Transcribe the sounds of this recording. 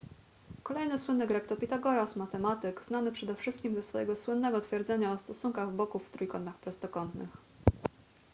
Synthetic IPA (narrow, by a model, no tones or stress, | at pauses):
kɔlɛjnɘswɘnːɘɡɾɛkt̪ɔpʲit̪aɡɔɾasmat̪ɛmat̪ɘkznanɘpʂɛd̪ɛfʂɘst̪kʲimd̪ɔsfɔjɛ̰ɡɔswɘnːɛɡɔt̪fʲjɛɾd̪zɛɲaɔst̪ɔsuŋkaɣvbɔkuvːt̪ɾujkɔnt̪axpɾɔst̪ɔkɔnt̪nɘ̰x